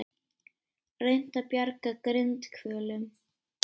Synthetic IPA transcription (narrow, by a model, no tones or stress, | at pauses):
rejn̥t̪apjɛɾkakɾɪnt̪kʰvœːlʏm